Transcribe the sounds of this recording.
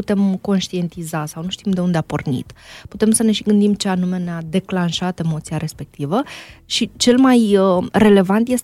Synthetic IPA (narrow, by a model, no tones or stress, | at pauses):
ut̪e̞mko̞nʃt̪ie̞nt̪izasawnuʃt̪imd̪e̞und̪eapo̰rnḭt̪put̪e̞msəne̞ʃiɡɨnd̪imt͡ʃeanume̞nead̪e̞klanʃat̪e̞mo̞t̪sijaɾe̞spe̞k̚t̪ivəʃit͡ʃe̞lmajre̞le̞vant̪je̞s